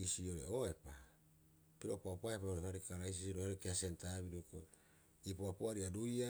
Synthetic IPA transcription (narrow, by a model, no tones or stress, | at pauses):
isio̞ɾḛoepa | piɾo̞paopaepaoɾehaɾikaɾais̬isioɾohaɾekeasentaβiɾuko | ipoapoaɾiaduja